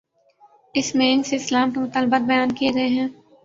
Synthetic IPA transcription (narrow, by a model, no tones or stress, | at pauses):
ɪsmeːnseɪslaːmkemʊt̪aːlbat̪̚bɐjaːnkieɡɐeɦɛ̃ː